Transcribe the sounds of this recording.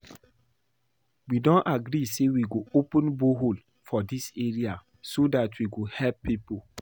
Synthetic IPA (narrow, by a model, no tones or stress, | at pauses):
widɔ̃naɡɾisewiɡoopə̃nboɦol | fɔdiseɹia | sodatwiɡohɛlpːipo